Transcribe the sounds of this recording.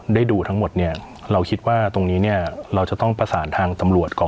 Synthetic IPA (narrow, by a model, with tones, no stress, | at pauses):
daː˥˩jduː˧t̪ʰa˦˥ŋmo˨˩t̪̚ni˥˩ɐ | ɾa˧wkʰi˦˥t̪̚waː˥˩t̪o˧ŋniː˦˥ni˥˩ɐɾa˧wt͡ɕa˨˩t̪ɔ˥˩ŋpʰa˧saː˩˦nt̪ʰaː˧ŋt̪a˧mɾu˨˩ət̪̚kʰɔː˩˦